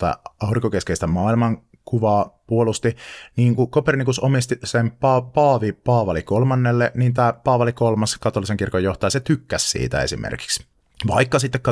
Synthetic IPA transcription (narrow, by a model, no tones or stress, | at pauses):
t̪æ̰ʔɑuriŋkokeskeist̪æmɑːilmɑŋ | kuʋɑːpuolust̪iniːŋkukopernikusomist̪isempɑpɑːʋipɑːʋɑlikolmɑnːelːenint̪æːpɑːʋɑlikolmɑskɑt̪olːˑiseŋkirkojoht̪ɑjɑset̪ykːæssḭːt̪æ̰esḭmḛrki̥ks | ʋɑikːɑsit̪ːekːɑ